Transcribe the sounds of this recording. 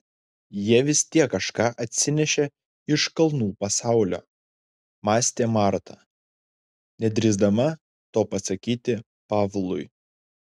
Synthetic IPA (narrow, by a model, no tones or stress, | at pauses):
jiɛʋʲɪst̪ʲiɛkːɐʃkɑːʔɐt̪ʲsʲɪnʲɛʃʲɛ | ɪʃkɐlˠnuːpɐsɑˑʊlʲo̰ː | mɑːsʲt̪ʲeːmɑɾt̪ʰɑ | nʲɛd̪ʲɾʲɪzd̪ɐmɐ | t̪oːpɐsɐkʲiːt̪ʲɪ | pɑːʋlˠʊɪ